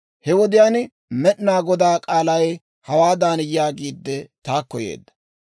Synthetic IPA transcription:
hɛwɔd̪ɪjaːn | mɛʔnaːɡɔd̪aːkʼaːlɐj | hɐwaːd̪aːnɪjjaːɡiːd̪ːɛt̪aːkːɔjḛːd̪ːɐ̥

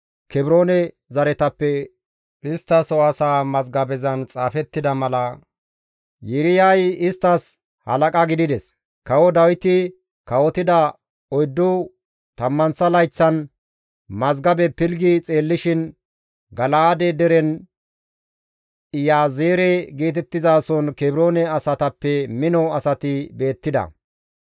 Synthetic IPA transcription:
kɛbɾo̞ːnɛ | zɐɾɛt̪ɐpːɛ | ʔɪst̪ːɐsɔwɐsaːmɐzɡɐbɛzɐnt͡sʼaːfɛt̪ːɪd̪ɐmɐlɐ | jɪɾɪjajɪst̪ːɐs | hɐ̰lɐkʼɐɡɪd̪ɪd̪ɛs | kɐwɔd̪ɐwɪt̪ɪ | kɐwɔt̪ɪd̪ɐ | ɔjd̪ːʊ | t̪ɐmːɐnsɐlɐjt͡sːɐn | mɐzɡɐbɛpɪlɡɪt͡sʼe̞ːlːɪʃɪn | ɡɐlaːd̪ɛd̪ɛɾɛn | ɪjaːzeːɾɛɡiːt̪ɛt̪ːɪzaːsɔnkɛbɪɾo̞ːnɛɐsɐt̪ɐpːɛmɪnɔɐsɐt̪ɪbe̞ːt̪ːɪd̪ɐ̰

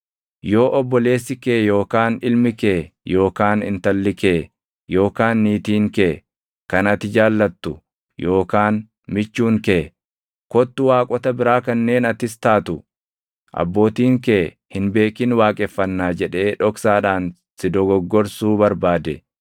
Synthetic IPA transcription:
jo̞ːʔɔbːɔle̞ːsːɪkeːjo̞ːkaːnɪlmɪkeːjo̞ːkaːnhɪnt̪ɐlːɪkeː | jo̞ːkaːnːiːt̪iːŋkeː | kɐnɐt̪ɪd͡ʒaːlːɐt̪ːʊ | jo̞ːkaːn | mɪt͡ʃːuːŋkeː | kɔt̪ːʊwaːkʼɔt̪ɐbɪɾaːkɐnːe̞ːnɐt̪ɪst̪aːt̪ʊ | ʔɐ̰bːo̞ːt̪iːŋkeː | hɪnbe̞ːkɪnwaːkʼɛfːɐnːaːd͡ʒɛᶑe̞ːᶑɔksaːᶑaːn | sɪd̪ɔɡɔɡːɔɾsuːbɐɾbaːd̪ɛ

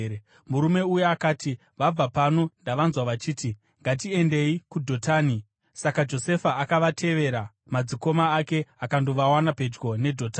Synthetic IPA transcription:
muɾume̞ujeakaːti | ʋab͡vapano̞ndaʋanzwaʋat͡ʃiːti | ŋɡat̬ie̞nde̞ikudʱo̞taːni | sakad͡ʒo̞se̞faakaʋatʰe̞ʋe̞ɾa | mad͡ziko̞maːke̞akando̞ʋawanape̞d͡ʒɡo̞ne̞dʱo̞taː

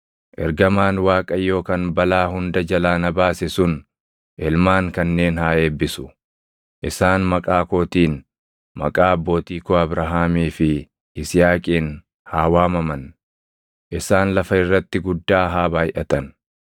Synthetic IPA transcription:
ʔɛ̰ɾɡɐmaːnwaːkʼɐjːo̞ːkɐnbɐlaːɦʊnd̪ɐd͡ʒɐlaːnɐbaːsɪsʊn | ʔɛlmaːŋkɐnːe̞ːnhaːeːbːɪsʊ̥ | ʔɪsaːnmɐkʼaːkoːt̪iːn | mɐ̰kʼaːɐbːo̞ːt̪iːkoːɐbɾɐɦaːmiːfɪ | ɪsɪjaːkʼiːn | haːwaːmɐmɐn | ʔɪsaːnlɐfɐɪrːɐt̪ːɪɡʊd̪ːaːɦaːbaːjʔɐt̪ɐn

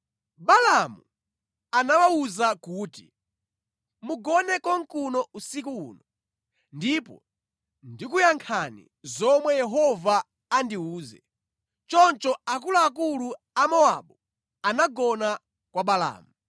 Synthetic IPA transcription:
ɓalamu | anawauzakuːti | muɡɔnɛkɔŋkunɔusikṵːnɔ | ndipɔ̰ | ndikujaŋkʰanḭ | zɔmwɛjɛɦɔvaː | ndiuːzɛ̰ | t͡ʃɔnt͡ʃɔak̬ulaːk̬ulu | amɔa̰ɓu | anaɡɔna | kwaɓala̰ːmu

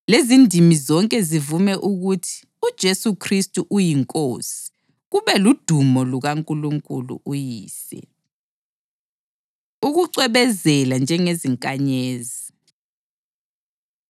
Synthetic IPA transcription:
lezindʱimizɔŋkʼɛzivumɛʔuɣutʰi̥ | ud̥ʒ̥ʱesukʰristʼuʔujiŋkʼoːsi̥ | ɣuβɛlud̥ʱumɔluɣaŋkʼuluŋkʼulṵʔujiːsɛ̰ | uɣuǀwɛɓɛzɛland͡ʒʱɛŋeziŋkʼaɲeːzi

